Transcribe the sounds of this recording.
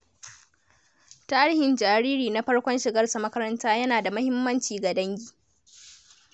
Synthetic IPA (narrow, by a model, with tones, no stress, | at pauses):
taː˦ɾɪ˦hɪ˨nd͡ʒaː˨ɾiː˦ɾiː˨na˦ɸɐ˦ɽkʷɔ˦nʃɪ˨ɡɐ˦rsa˨mɐ˦kɐ˦ɾɐ˦ntaː˦jɐ˦naː˨da˨mɐ˦hɪ˦mːɐ˦nt͡ʃiː˨ɡa˨dɐ˦ŋɡʲiː˦